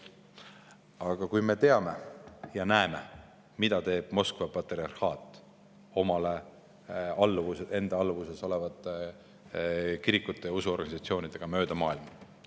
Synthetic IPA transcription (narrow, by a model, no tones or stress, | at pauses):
ɑɡ̥ɑkujme̞t̪e̞ɑme̞jɑnæeme̞ | mid̪̥ɑt̪e̞ːb̥̚mo̞skvɑpɑt̪riɑrhɑːt̪ˑː | o̞mɑle̞ | ɑlːvusee̞nd̪ɑɑlːvuse̞so̞le̞vɑt̪ˑːe | kiɾikːˑut̪ːˑe̞jusuo̞rɡ̥ɑnisɑt̪sio̞ːnid̪̥eɡ̥ɑmø̞ːd̪̥ɑmɑːilmɑ